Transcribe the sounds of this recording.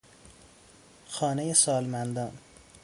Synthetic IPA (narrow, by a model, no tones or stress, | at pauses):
xɒːnejesɒːlmænd̪ɒːn